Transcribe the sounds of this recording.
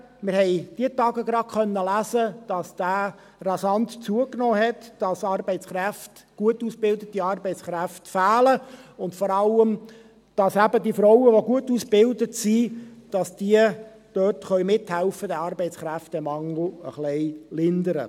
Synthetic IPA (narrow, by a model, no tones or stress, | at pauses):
mɪɾhɛɪd̥iətɑːɡəɡɾɑkʰχœnːəlæsəd̥ɑsd̥æː | rɑsɑnt̪t͡suəknɔːɦɛtd̥ɑsɑːɾbɛɪt͡sχɾæftɡ̥uətuːsb̥ɪldətiɑrbɛɪt͡sχɾæftfæːləʊndfɔɾɑləm | d̥ɑsæbədifɾɔʊwəʋoɡuətuːsb̥ɪldətsid̥ɑsd̥iə | d̥øtχœʏɥmɪthælfədæɑːɾbɛɪt͡sχɾæftɛmɑŋl̩ə̰χlɛɪlɪnd̪əɾə̰